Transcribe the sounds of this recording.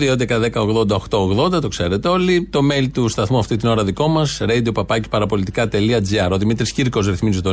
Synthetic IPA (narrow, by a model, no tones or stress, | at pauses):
ðiond̪ekɐðekɐo̞ɣðo̞nd̪ɐoxt̪o̞oɣðo̞nd̪ɐt̪o̞kse̞ɾe̞t̪eo̞lit̪o̞melit̪ust̪ɐθmuɐft̪it̪ino̞ɾɐðiko̞mɐsɾejd̪upɐpɐci̥pɐɾɐpo̞lit̪i̥kɐt̪e̞liɐd͡ziɐɾo̞ðimit̪ɾisciɾko̞zɾiθmizit̪o